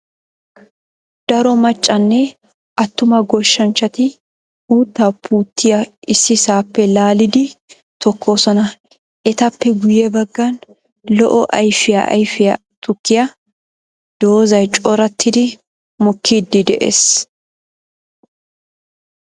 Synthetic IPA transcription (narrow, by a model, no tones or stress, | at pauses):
d̪̥ɐɾɔmɐt͡ʃʼːɐnːɛ | ʔɐt̪ːʊmɐɡɔʃːɐnt͡ʃːɐt̪ɪ | uːt̪ːaːpʰːuːt̪ːɪjɐʔɪsːɪsaːpːɛlaːlɪd̪ɪ | t̪ɔkʰːo̞ːsɔnɐ | ʔɛt̪ɐpːɛɡʊjɛbɐɡːɐn | lɔʔɔʔɐjfɪja̰ʔɐ̰jfɪjɐ | t̪ʊkːɪjɐ | d̪̥oːzɐjt͡ʃʼɔɾɐt̪ʰːɪd̪ɪ | mɔkʰːiːd̪ːɪd̪ɛʔḛs